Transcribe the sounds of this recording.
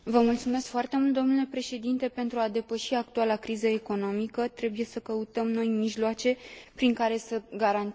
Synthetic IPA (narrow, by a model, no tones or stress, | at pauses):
vəmult̪sume̞skfoart̪e̞mult̪d̪o̞mnule̞pɾe̞ʃe̞d̪int̪e̞pe̞nt̪ɾuad̪e̞pəʃiak̚t̪ualakɾizəe̞ko̞no̞mikət̪ɾe̞buje̞səkəut̪əmno̞jmiʒloat͡ʃe̞pɾiŋkaɾe̞səɡaɾan